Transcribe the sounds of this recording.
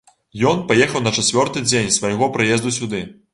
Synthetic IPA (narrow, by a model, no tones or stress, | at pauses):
jɔnpajɛxɐwnɐt͡ʂat͡sʲvʲɔrt̪ɨd͡zʲenʲsvajɣɔpɾɨjɛzd̪usʲud̪ɨ